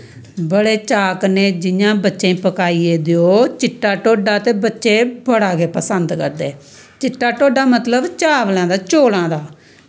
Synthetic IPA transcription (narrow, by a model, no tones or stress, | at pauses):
bəɽeːt͡ʃaːkneːd͡ʒɪjãːbətːʃẽːĩːpəkaːiːeːd̪ɪoːt͡ʃɪʈːaːʈoːɖaːt̪eːbətːʃeːbəɽaːɡeːpəsənd̪kəɾd̪eː | t͡ʃɪʈːaːʈoːɖaːmət̪ləbt͡ʃaːʋlɛ̃ːd̪aːt͡ʃoːlãːd̪aː